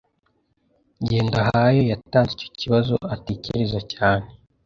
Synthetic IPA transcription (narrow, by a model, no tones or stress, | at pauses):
ɲɟeːndaɦajo̞jataːnzico̥cʰiβazo̰atecḛɾezacaːn̥e